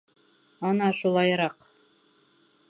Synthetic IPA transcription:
ɑnɑʃulˠɑjɾɑq

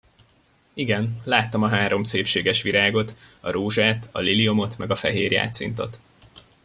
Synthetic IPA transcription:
iɡɛnlaːt̪ːɒmɒɦaːɾo̞mseːpʃeːɡɛʃʋiɾʔaːɡo̞t̪ɒɾoːʒaːt̪ɒ̰liliomo̞t̪mɛɡɒfɛɦeːrja̰ːt̪sḭnt̪o̞t̪

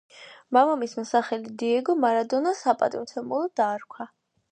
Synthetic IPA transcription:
mamamismɛsaχɛlid̪iɛɡɔmaɾad̪ɔnasapʼa̰t̪ʼimt̪ʰɛmulˠɔd̪̥aːɾkʷʰwa

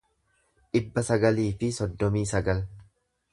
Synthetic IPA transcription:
ᶑɪbːɐsɐɡɐliːfɪsɔd̪ːɔmiːsɐɡɐl

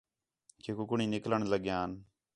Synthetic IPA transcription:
keːkʊkʊɳĩːnɪkləɳləɠjãːn

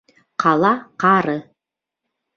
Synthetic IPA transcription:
qʰɑlˠɑqɑɾɤ

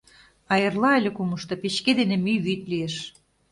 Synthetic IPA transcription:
ɑjɤrlɑəlʲĕkumɤ̆ʃt̪ɤ̆pet͡ɕked̪enĕmyβyt̪lieʃ

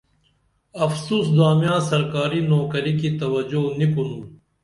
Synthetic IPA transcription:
ɐfsuːsd̪aːmjãːsɐɾkaːɾinoːkɐɾikit̪ɐwɐd͡ʑonikunuː

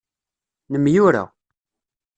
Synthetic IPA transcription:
nəmjʊɾa̰

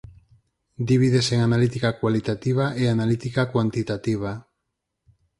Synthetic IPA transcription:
d̪iβ̞iðe̞se̞ŋanalit̪ikakwalit̪at̪iβ̞aʔeanalit̪ikakwant̪it̪at̪iβ̞a

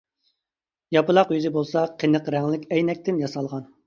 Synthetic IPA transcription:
jɑpɨlˠɑqjyzɪbolˠsɑqʰenəqɾɛŋlɪkʲɛjnɛk̚ʲt̪ʰɪnjɑsɑlˠʁɑn

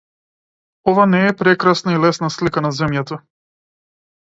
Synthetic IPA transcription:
ɔvanɛːpɾɛkɾasnailɛsnaslikanazɛmjat̪a

